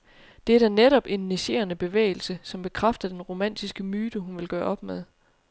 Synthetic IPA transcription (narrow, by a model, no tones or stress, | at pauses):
d̥e̝æɐdæneɾɒ̽b̥e̝nːeɕe̝̰ːɐnəb̥e̝ʋḛɪl̩səsɒ̽mb̥e̝kʰʁafd̥ɐd̥enʁo̝mæn̰d̥isɡ̥əmyːd̥əɦunʋe̝lɡ̥ɶːɐɒ̽b̥með̞ˠ